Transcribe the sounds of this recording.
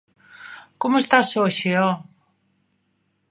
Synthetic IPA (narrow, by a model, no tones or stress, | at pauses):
komoest̪asoʃeɔ